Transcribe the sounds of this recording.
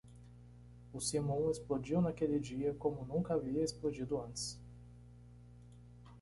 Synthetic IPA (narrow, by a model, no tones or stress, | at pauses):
ʊsimõwesplod͡ʒiwnakelɪd͡ʒiɐkõmʊnũŋkɐaviɐesplod͡ʒid̪ʊɐ̃nt̪ɪ̥s